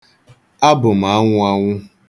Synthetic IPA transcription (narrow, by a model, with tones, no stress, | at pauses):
a˦bʊ˨m̩˨a˨˦ŋʷʊ˦a˦ŋʷʊ˦